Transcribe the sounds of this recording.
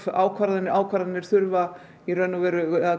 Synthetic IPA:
fa̰ːwkʰvaɾðanːɪaːwkʰvaɾðanːɪɾ̥θʏɾva | iɾœnːʏvɛːɾʏa

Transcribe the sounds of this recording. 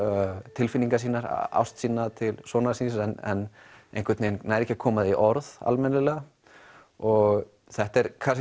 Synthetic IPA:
t̪ʰɪlfɪniŋkasiːnaɾ̰a̰wst̪siːnat̪ʰɪlsɔːnasinsɛnɛ̰n | ejn̥kʰvɛt̪neːnnaːjɾɛhcːɪkʰɔːmaðiʔɔɾða̰lmɛnɪlɛɣa | ɔɣ | θɛht̪ɛɾkʰas

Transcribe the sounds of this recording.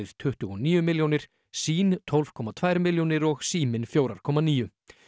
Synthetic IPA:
ɪð̥t̪ʰʏht̪ʏɣɔniːjʏmɪljownɪɾ̥ | siːnt̪ʰɔlv̥kʰɔːmːat̪ʰvaːjɾmɪljownɪɾɔɣsiːmɪnfjowɾaɾ̥kʰɔmːaniːjʏ

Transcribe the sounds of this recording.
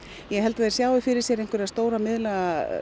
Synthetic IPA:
jɛɦɛlt̪aeɾ̥sjaːwɪfɪɾɪɾsjɛɾejŋkvʏɾast̪oːwɾamɪðlaa

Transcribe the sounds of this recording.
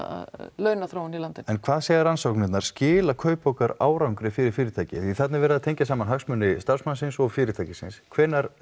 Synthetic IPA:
a̰lœːɥnaθɾoːwnilant̪ɪnɛnkʰvaːðsɛːɣɪɾansowknɪt̪naɾ̥scɪːlakʰœːɥpowkaɾa̰ːwɾawŋkɾɪfɪɾɪɾ̥fɪːɾɪt̪ʰaːjcɪ̰θiθat̪nɪɾvɛːɾɪðaðt̪ʰejɲcasaːmanɦaksmœnːɪst̪aɾ̥smansɪnsɔɣfɪːɾɪt̪ʰaːjcɪsɪ̰nskʰvɛːnːaɾ

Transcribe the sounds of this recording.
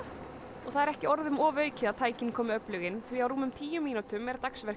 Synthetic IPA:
ɔɣθaðɛɾɛhcɪɔɾðʏmɔːvœːɥcɪðaðt̪ʰaːjcɪnkʰɔːmɪœplʏɣɪnθviawɾuːmʏmt̪ʰiːjʏmːiːnut̪ʏmɛɾt̪aksvɛr

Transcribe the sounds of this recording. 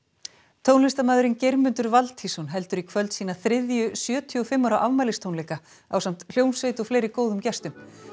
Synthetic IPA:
t̪ʰoːwnlɪst̪amaːðʏɾɪncejɾmʏnt̪ʏɾvalt̪ʰhisɔnɦɛl̪t̪ʏɾikʰvœlt̪siːnaθɾɪðjʏsjœːt̪ʰiɔfɪmːɔɾaʔavmajlɪst̪ʰownlejka | a̰wsamt̪l̥jownsvejt̪ɔfleːjɾɪkoːwðʏmcɛst̪ʏm

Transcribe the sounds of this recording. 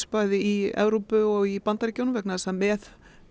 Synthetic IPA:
spaːjðɪiɛ̰vɾowpʏɔɣipant̪aɾicjownvɛknasɛmːɛð

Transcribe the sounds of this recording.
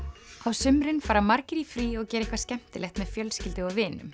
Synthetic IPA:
awsʏmɾɪnfaːɾamaɾcɪɾifɾiːɔɣcɛːɾehkvascɛm̥t̪ɪlɛxt̪mɛðfjœlscɪlt̪ɪɔwvɪːnʏm

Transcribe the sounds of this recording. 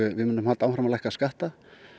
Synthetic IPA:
ʏvɪðmɪnɪmhalt̪aːwfɾamalajhkaskaht̪a

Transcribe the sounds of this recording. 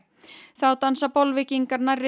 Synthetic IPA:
θawt̪ansapɔlvɪkiŋkaɾnarɪ

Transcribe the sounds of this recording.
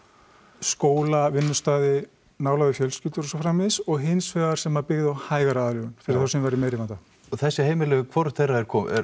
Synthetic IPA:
skoːwlavɪnːʏst̪aːðɪ | naːwlaðʏfjœlscʏlt̪ʏɾɔsɔfɾaːmɪðsɔɣɦɪnsfœːɣaɾ̥sɛmapɪɣðɪawhaːjɣaɾaaːðlʏɣʏnfɪɾɪɾ̥θawsɛmvajɾðɪmejɾɪvant̪a | ɔθɛsːɪheːjmɪlɛɣʏkʰvɔɾθejrːaɛɾ̥kʰɔɛ̰ɾ

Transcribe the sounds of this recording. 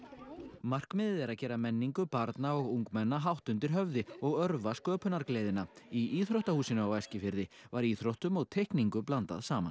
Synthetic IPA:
mar̥kmɪːðɪðɛɾaðcɛːɾamɛnːiŋkʏpaɾt̪naɔɣuŋkmɛnːaɦawht̪ʏnt̪ɪɾ̥ɦœvðɪɔɣœɾvaskœːpʏnaɾkleːjðɪnaiʔiːθɾowht̪ahuːsɪnʏawajscɪfɪɾðɪvaɾiθɾowht̪ʏmɔɣt̪ʰejhkniŋkʏplant̪a̰ðsaːma̰n

